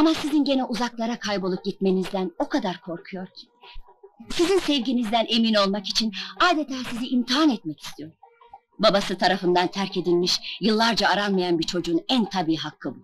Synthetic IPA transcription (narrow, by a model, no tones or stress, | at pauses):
amasizinɟe̞nɛʔuzaklˠaɾakʰajbolˠup̚ɟit̪̚me̞nizd̪æno̞kad̪aɾkʰo̞ɾkʰujo̞ɾcʰi̥ | sizinsɛvɟinizd̪ænʔe̞mino̞lˠmakit͡ʃʰinaːd̪et̪ʰaːsiziʔimt̪ʰiɦanɛt̪̚mɛci̥st̪ʰijo̞ɾum | babasɯt̪ʰaɾafɯnd̪ant̪ʰæɾce̞d̪ilʲmiʃjɯlˠːaɾd͡ʒaːɾanmajanbiɾt͡ʃʰo̞d͡ʒuːnænt̪ʰabiːɦakʰːɯbu